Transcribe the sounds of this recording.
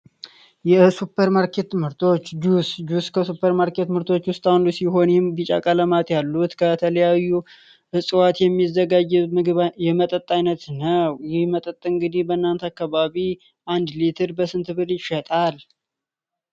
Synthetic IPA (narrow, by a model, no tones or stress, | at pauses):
jɛsupʰːəɾmaɾkʰe̞t̪ːɨmhɨɾt̪ʰo̞t͡ʃːd͡ʒusd͡ʒuskʰəsupʰːəɾmaɾke̞t̪ːmhɨɾt̪ʰo̞t͡ʃːwʊst̪ʼawnd̪usiɦo̞njɛmbit͡ʃʼa̰kʼələmat̪jalːut̪kʰət̪ʰələjajːu | ʔɨsʼɨwat̪jɛmːizːəɡad͡ʒːɛɨɡɨβjɛmət̪ʼət̪ʼːajnət̪nəwjɪmət̪ʼət̪ʼːɨɨŋɡɨd̪ihbənːant̪ʰakːaβaβi | ʔand̪lit̪ʰɨɾbəsɨnt̪ʰɨβɨɾjɪʃɛt̪ʼal